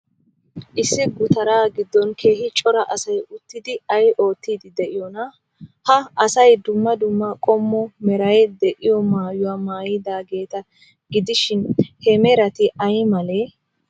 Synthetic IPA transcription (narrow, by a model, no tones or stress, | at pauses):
ʔɪsːɪɡʊt̪ɐɾaːɡɪd̪ːɔnkʰe̞ːɦɪt͡ʃʼɔɾɐʔɐsɐjʊt̪ːɪd̪ɪɐjʔo̞ːt̪ːiːd̪ɪd̪ɛʔɪjɔnɐ | hɐɐsɐjd̪ʊmːɐd̪ʊmːɐkʼɔmːɔmɛɾɐjɛd̪ɛʔɪjɔmaːjʊwamaːjɪd̪aːɡe̞ːt̪ɐ | ɡɪd̪ɪʃɪnhɛmɛɾɐt̪ɪʔɐjmɐleː